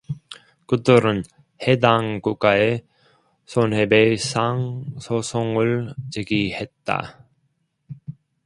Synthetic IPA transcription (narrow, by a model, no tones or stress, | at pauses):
kɯdɯɾɯn | he̞daŋk͈uk͈ae | sʰonɦebesʰaŋsʰosʰoŋɯɭt͡ɕeɡihe̞t̚t͈a̰